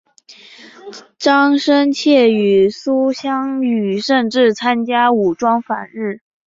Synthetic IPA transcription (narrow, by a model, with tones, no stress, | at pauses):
ʈ͡ʂɑ˥ŋʂə˥nt͡ɕʰjɛ˥˩y˨˩su˥ɕjɑ˥ŋy˨˩ʂə˥˧nʈ͡ʂɻ̩˥˩t͡sʰa˥nt͡ɕja˥u˨˩ʈ͡ʂwɑ˥ŋfa̰˨˩nɻɻ̩˥˩